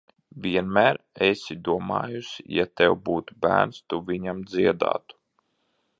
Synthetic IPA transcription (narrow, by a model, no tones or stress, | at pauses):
vʲiɛnmæːɾ | esʲid̪uɔmɑ̰ːjusʲḭjat̪ɛwbuːt̪ubæ̰ːnst̪uvʲiɲamd̪ziɛd̪a̰ːt̪u̥